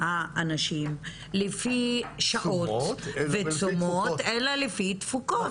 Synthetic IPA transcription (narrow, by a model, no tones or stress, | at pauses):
haanaʃim | lefiʃaʔotvet͡somot̪elalefit̪fuko